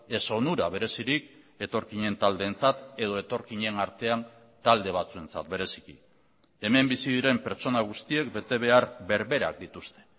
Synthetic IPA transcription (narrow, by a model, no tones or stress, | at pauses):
e̞so̞nuɾaβ̞e̞ɾe̞siɾik | e̞t̪o̞ɾkiɲe̞nt̪ald̪e̞ːnt͡sat̪e̞ð̞o̞e̞t̪o̞ɾkiɲe̞naɾt̪e̞an | t̪ald̪e̞β̞at͡sue̞nt͡sa̰t̪be̞ɾe̞si̥kḭ | e̞me̞mbisiðiɾe̞mpe̞ɾt͡ʃo̞naɣ̞ust̪ie̞k̚be̞t̪e̞β̞e̞aɾbe̞ɾβe̞ɾa̰k̚d̪it̪ust̪e̞̥